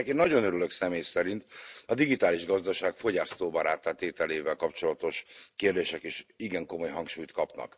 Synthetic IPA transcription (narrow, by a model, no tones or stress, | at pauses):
ɛkeːnːɒɟo̞nøɾyløksɛmeːjsɛɾint̪ɒd̪iɡit̪aːliʒɡɒzd̪ɒʃaːɡfo̞ɟaːst̪oːbɒɾaːt̪at̪eːt̪ɛleːvɛlkɒpt͡ʃo̞lɒt̪o̞ʃkeːrd̪eːʃɛkeːʃiɡɛŋko̞mo̞jɦɒŋkʃuːjt̪kɒpnɒ̰k